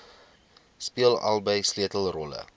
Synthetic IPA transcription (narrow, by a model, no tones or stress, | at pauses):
spiəlɐ̰lˠbəjsliətəlˠrɔlə̰